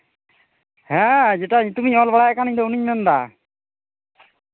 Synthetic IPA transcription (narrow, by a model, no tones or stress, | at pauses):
hɛ̃d͡ʒɛʈaɲt̪umiɲɔlbaɽajkaniɲd̪ɔuniɲmnd̪a̰